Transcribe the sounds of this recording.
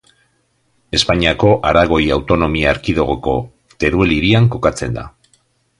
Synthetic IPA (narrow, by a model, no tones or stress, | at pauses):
e̞spaɲiako̞ʔaɾaɣ̞o̞jawt̪o̞no̞miaːɾkiðo̞ɣ̞oko̞̰ | t̪e̞ɾue̞liɾiaŋko̞kat͡se̞̰nd̪a̰